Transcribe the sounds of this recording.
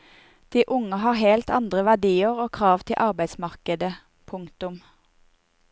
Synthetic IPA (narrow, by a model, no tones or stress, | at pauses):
d̪̥iːʔʊŋəɦɑːʁhɛlt̪ɑ̰nd̪ʁəʋæʁɖiːəʁoːkʰʁɑːʋt̪ʰɪlʔɑʁbæɪd̪smɑʁkəd̪ə | pʰʊŋkt̪ʊm